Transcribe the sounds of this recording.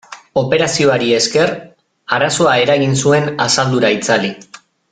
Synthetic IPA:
o̞pe̞ɾasio̞aɾie̞ske̞r | aɾaso̞ae̞ɾaɣinsue̞nasald̪uɾait͡sali

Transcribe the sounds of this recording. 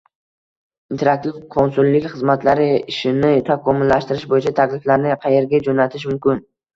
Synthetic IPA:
int̪ʰe̞ɾak̚t̪ʰɪvqʰɒnsʊlːɪkʲχɨzmat̪ʰlaɾɪɪʃɪnɪt̪ʰakʰɒmʊlːaʃt̪ɪɾɪʃbojɪt͡ʃʰat̪ʰakʲlɪflaɾnɪqʰɑje̞ɾɡʲad͡ʒonat̪ʰɪʃmʊmkʲɪn

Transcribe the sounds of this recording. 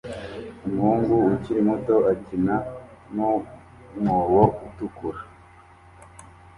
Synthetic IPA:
umhuːŋɡuːciɾimuto̞acina | no | muwoutukuɾa

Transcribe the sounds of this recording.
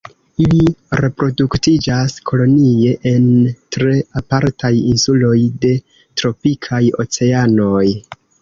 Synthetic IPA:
iliɾe̞pɾo̞duktid͡ʒaskʰo̞lo̞nie̞ʔe̞ntɾe̞apaɾtʰajinsulo̞jde̞ | tɾo̞pikʰajo̞̰t͡se̞ano̞j

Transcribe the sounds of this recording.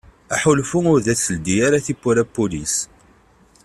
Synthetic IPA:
æħʊlfʊŋʊɾðæt͡sːəld̪ijaɾaθipːʊɾæpːulis

